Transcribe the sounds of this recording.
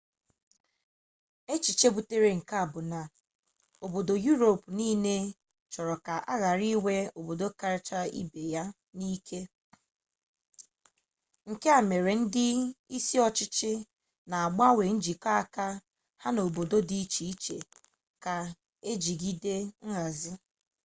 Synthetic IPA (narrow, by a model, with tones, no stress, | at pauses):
e˦t͡ʃi˨t͡ʃe˦bu˨te˦ɾe˨ŋ̩˨ka˦a˨bʊ˨na˨ | o˨bo˨do˨ju˦ɾo˨pniː˦ne˦ | t͡ʃɔ˨ɾɔ˨ka˨ʔa˦ɣa˨ɾi˦we˦o˨bo˨do˦ka˦ɾt͡ʃa˦ḭ˦be˨ja˦ | ni˦kʰe˦ | ŋ̩˨ke˦a˨me˨ɾe˨n̩˦dɪ˦i˦si˦ɔ˦t͡ʃɪ˦t͡ʃɪ˦ | na˨a˨ɡ͡ba˦we˨n̩˦d͡ʒi˨ka˦˨ka˦ | ha˦no˨bo˨do˦di˦t͡ʃi˨i˦t͡ʃḛ˨ | ka˨ | e˦d͡ʒi˨ɡi˦de˦ŋ̩˦ɣa˨zɪ˦